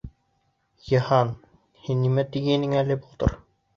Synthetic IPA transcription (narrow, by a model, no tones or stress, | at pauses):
jɤ̆hɑn | hinːimæt̪iɡɘnɘŋælɘbulˠt̪ɤ̰ɾ